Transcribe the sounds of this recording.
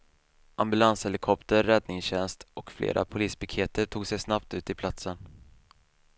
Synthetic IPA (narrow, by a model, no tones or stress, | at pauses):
ʔambɵlanshɛlɪkʰɔpt̪əɾːɛd̪nɪŋsɕɛnst̪ʔɔkflḛːɾʔa̰pʰʊliːspʰakʰeːt̪əʈʰuːɡsɛjsnapt̪ʉ̟ːt̪ɪpʰlat̪sən